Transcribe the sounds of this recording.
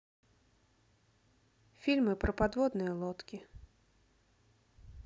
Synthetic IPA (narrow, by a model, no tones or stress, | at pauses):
fʲilʲmɨpɾɐpad̪vɔd̪nɨjɐlˠɔt̪kʲi